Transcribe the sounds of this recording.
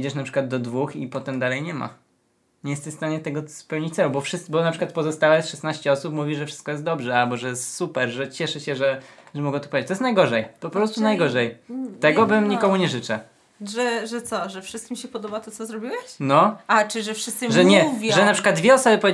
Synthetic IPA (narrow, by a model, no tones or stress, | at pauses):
d͡ʑɛʂnapʂɘ̥kwad̪̚d̪ɔd̪vuxipɔt̪ɛmd̪alɛjɲɛma̰ | ɲɛjɛst̪ɛɕst̪aɲɛt̪ɛɡɔspɛwɲit͡ɕt̪sɛlubɔfʂɘtbɔnapʂɨkwat̪̚pɔzɔst̪awɛsʂɛsnaɕt͡ɕɛɔsupmuvʲiʐɛfʂɘ̥st̪kɔjɛst̪d̪ɔbʐɛalbɔʐɛjɛst̪supɛɾʐɛt͡ɕɛʂɛɕɛʐɛʐɛmɔɡɛt̪upɔvʲed͡ʑːt͡ɕt̪ɔjɛst̪najɡɔʐɛjpɔpɾɔst̪unajɡɔʐɛjt̪ɛɡɔbɘmɲikɔmuɲɛʐɘt͡ʂɛ | ʐɛʐɛt̪sɔʐɛfʂɨst̪kʲimʲiɕɛpɔd̪ɔbat̪ɔsɔzɾɔbʲiwɛɕnɔat͡ʂɨʐɛfʂɘst̪sɨʐɛɲɛvʲʐɛnapʂɘkwad̪̚d̪vʲɛɔsɔbɘpɔje